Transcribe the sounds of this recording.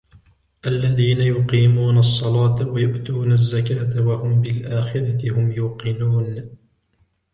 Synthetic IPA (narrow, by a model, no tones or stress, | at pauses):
ʔalːaðiːnajʊqiːmuːnɑsˤːɑlɑːt̪awajʊʔt̪uːnazːakaːt̪awahʊmbɪlʔaːxɪɾɑt̪ɪhʊmjuːqɪnuːn